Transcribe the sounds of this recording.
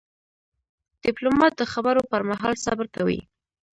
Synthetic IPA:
d̪̥ɪplomɑt̪̚d̪əxabaɾopəɾmaɦɑlsɑbɪɾkawḭ

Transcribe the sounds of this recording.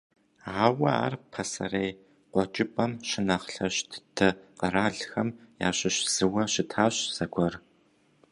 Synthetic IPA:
aːwɐa̰ːrpʰɐsɐ̰rej | qʷɔt͡ʃʼɪpʼɐmʃɪnɐχɬɐɕtʰtʰɐqəraːɮxɐmja̰ːɕɪɕz̥ɨwɐɕɪtʰaːɕz̥ɐɡʷɔr

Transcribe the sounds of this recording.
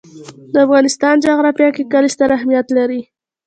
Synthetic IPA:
d̪əafɣɑnɪst̪ɑnd͡ʒɑɣɾɑfjɑkekalist̪aɾahmijat̪laɾi

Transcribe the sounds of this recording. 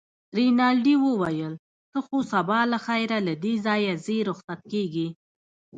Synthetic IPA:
ɾinɑlɖiwəwajəl | t̪əxosabɑlaxɑjɾalad̪ezɑjazeɾʊxsat̪̚keɡi

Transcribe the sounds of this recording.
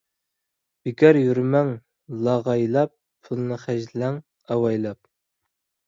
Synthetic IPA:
b̥ikʲɑɾjyɾmɛŋ | lˠɑʁɑjlˠɑp̚ | pʰulˠɨnɨχæʒlæŋ | ɑwɑjlˠɑp̚

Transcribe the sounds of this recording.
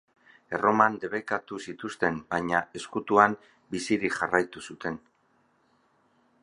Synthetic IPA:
e̞ro̞mand̪e̞βekat̪usit̪ust̪e̞mbaɲae̞skut̪uam | bisiɾiʝarajt̪usut̪e̞n

